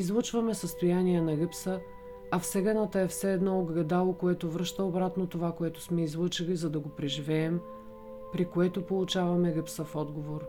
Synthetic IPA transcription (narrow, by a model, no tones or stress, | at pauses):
izlˠɤt͡ʃvɐmɛsəst̪ojaniɛnɐɡɤpsə | ɐfsɛɡɐnət̪əɛfsɛːd̪nɔoɡɡɐd̪alˠokoɛt̪ovɾɤʃt̪əobɾat̪not̪ovakoɛt̪o̥smɛizlˠɤt͡ʃilizɐd̪ɐɡopɾɛʒivɛːm | pɾikoɛt̪opolˠut͡ʃavɐmɛɡəpsəfɔd̪ɡovoɾ